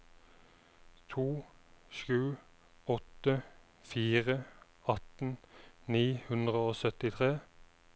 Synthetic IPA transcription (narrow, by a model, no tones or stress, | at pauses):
t̪ʰuːʃʉː | ɔt̪ə | fiːʁə | ɑt̪n̩niːhʉnd̪ʁəoːsœt̪ɪt̪ʰʁeː